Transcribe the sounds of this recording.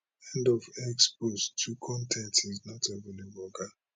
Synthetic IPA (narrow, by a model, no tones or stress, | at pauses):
ɛ̃ndɔvɛkspostʰukʰɔ̃ntʰɛ̃ntiznɔtʰɛvɛlubɔɡa